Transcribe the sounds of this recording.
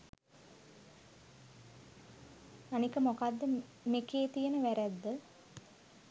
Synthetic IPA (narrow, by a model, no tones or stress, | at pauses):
anikəmokad̪ːə | mekeːt̪ijənəʋæɾæd̪ːə